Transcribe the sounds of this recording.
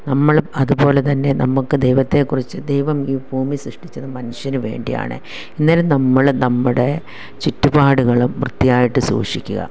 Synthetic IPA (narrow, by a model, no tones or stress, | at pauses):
nɐmːɐɭɐðubo̞ːle̞t̪ɐnːe̞nɐmːukːɨd̪ejʋɐt̪ːe̞kːurit͡ɕːɨd̪ejʋɐmiːbʱuːmisrɨʂʈit͡ɕːɐðɨmɐnuɕjɐnuʋe̞̰ːɳɖija̰ːɳɨ̰ | inːilumnɐmːɐɭnɐmːuɽe̞ | t͡ɕitːubaːɽuɣɐɭumːrɨt̪ːijaːjiʈːɨsṵːʂikʲːuɣɐ̰